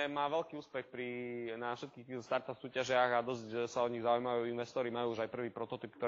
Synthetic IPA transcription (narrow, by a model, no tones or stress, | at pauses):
maːʋɛlkiːuːspɛxpɾinafʃɛt̪kiːxt̪iːt̪ɔst̪aɾt̪afsuːcaʒɪaɣad̪ɔzcsaɔɲiɣzaujmaʋajuːinʋɛst̪ɔɾimajuːuʒajpr̩ʋiːpɾɔt̪ɔt̪ip̚kt̪ɔ